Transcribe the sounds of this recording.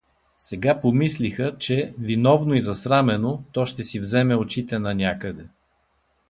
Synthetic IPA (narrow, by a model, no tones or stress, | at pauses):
sɛɡapomislixət͡ʃɛvinɔvnoizɐsɾamɛnot̪ɔʃt̪ɛsivzɛmɛot͡ʃit̪ɛnɐnʲakəd̪ɛ